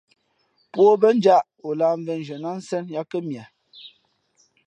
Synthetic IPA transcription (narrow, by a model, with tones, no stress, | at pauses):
pwo˦bə˦n˦d͡ʒa˦˨ʔ | o˨la˦˨m̩˦vɛ˦n˨d͡ʒɛ˨na˦n̩˦sɛ˦nja˦kə˦mja˨